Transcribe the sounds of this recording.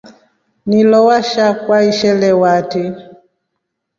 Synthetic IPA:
nilɔwaʃakwaiʃɛlɛwati

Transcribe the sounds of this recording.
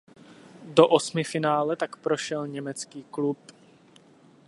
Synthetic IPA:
doʔosmɪfɪnaːlɛt̪akpɾoʃɛlɲɛmɛt͡skiːklup

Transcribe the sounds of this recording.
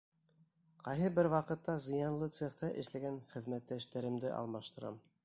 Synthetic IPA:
qɑjɦɤbɘɾwɑqɤ̆t̪ːɑzɤ̆jɑnlˠɤt̪seχt̪ɑʔɘ̆ʃlæɡænχɘ̆ðmæt̪ːæʃt̪æɾɘ̆md̪ɘʔɑ̰lˠmɑʃt̪ɤ̆ɾɑ̰m

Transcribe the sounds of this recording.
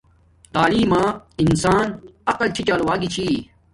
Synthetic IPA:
t̪aːliːmaːinsaːnɐqɐlt͡ɕʰit͡ɕaːlwaːɡit͡ɕʰi

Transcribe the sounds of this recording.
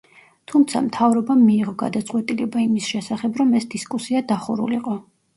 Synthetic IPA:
t̪ʰumt̪sʰa̰mt̪ʰavɾɔbamiːʁɔɡa̰d̪at̪sʼqʼwɛt̪ʼilɛbaimisʃɛsaχɛbɾɔmɛsd̪iskʼusiad̪aχṵɾṵliqʼɔ

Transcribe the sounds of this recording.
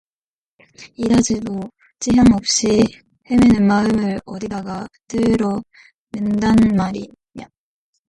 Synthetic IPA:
idad͡ʑido | t͡ɕ͈iɦjaŋʌp̚ɕ͈i | hemenɯnmaɯmɯɾʌdidaɡatɯɾʌ | mɯndanmaɾi | ɲa

